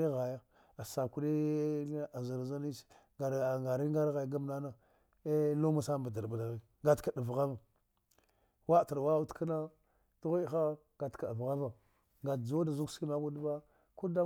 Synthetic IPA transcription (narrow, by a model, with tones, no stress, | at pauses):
i˦ɣa˨ja˦ | a˨sa˨ku˦ɗi˦ | a˨za˨ɾza˦ni̥˦ŋa˨ŋɡa˨ɾi˦ŋɡa˦ɾɣa˨jɡa˦m˦na˦na˦ | lo˦ma˦sa˦m˨ba˨da˨ɾba˨la˨ɣi˦ | ŋɡa˦tka˨da˨vɣa˦va˨ | wa˦˨ta˨ɾwa˦u˦tka˦na˦ | du˦ɣi˦xa˦ | ɡa˨tka˨da˨vɣa˦va˨ | ŋɡa˨d͡ʒo˦da˨zu˦ksi˦ma˦ku˦dba˦ | ku˦da˦